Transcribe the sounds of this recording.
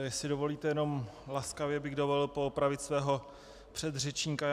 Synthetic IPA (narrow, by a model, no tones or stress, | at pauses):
sɪdovo̞liːt̪ɛjɛno̞mlaskavjɛbɪɣdovollpoːpɾavɪt̪svɛːɦo̞ | pr̝̥ɛd̪r̝ɛt͡ʃɲika